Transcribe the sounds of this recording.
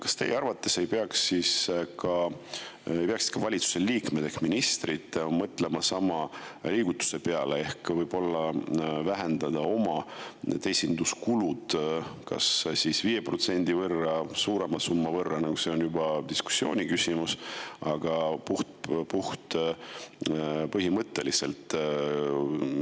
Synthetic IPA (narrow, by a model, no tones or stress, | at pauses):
kɑ̥st̪e̞jeɑrvɑt̪ːˑe̞se̞jpeɑksːiskɑ | ejpeɑksi̥t̪kɑvɑlʲit̪su̥se̞liːkmed̪̥eksminist̪rid̪ˑmɤt̪ːˑle̞mɑsɑmɑliːɡ̥ut̪ːˑu̥se̞pe̞ɑlee̞hkvɤjb̥o̞lːɑvæɦe̞nd̪̥ɑd̪ɑo̞mɑt̪e̞jsind̪̥uskulud̪̥kɑ̰ssisviːjepro̞t̪se̞nʲd̪̥ivɤrːɑsuːɾe̞mɑsumːɑvɤrːɑnɑɡ̥use̞o̞njubɑd̪̥isku̥sːio̞ːnʲikysimusɑɡ̥ɑpuht̪̚puht̪ | pɤɦimɤt̪ːe̞lise̞̰lt̪ˑ